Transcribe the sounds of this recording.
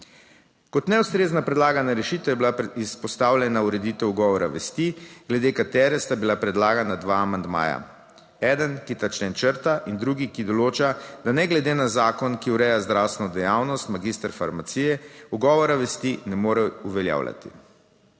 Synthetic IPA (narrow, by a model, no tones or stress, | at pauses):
kɔt̪nɛust̪ɾeːznapɾɛd̪laːɡanaɾɛʃiːt̪ɛjɛbilaispɔst̪awlʲɛnauɾɛd̪it̪ɛwuɡɔːʋɔɾaʋɛst̪iɡlɛd̪ekat̪ɛːɾɛst̪abilapɾɛd̪laːɡanad̪ʋaːmand̪ma̰ːja̰ | ɛːd̪ənkit̪at͡ʃnɛnt͡ʃəɾt̪aʔind̪ɾuɡikid̪ɔloːt͡ʃad̪anɛɡlɛd̪enazaːkɔnkiuɾɛjazd̪ɾawst̪ʋɛnɔd̪ɛjawnɔst̪maɡist̪əɾfaɾmat̪siːjɛuɡɔːʋɔɾaʋɛst̪inɛmoːɾɛuʋɛlja̰ːwlʲja̰t̪ḭ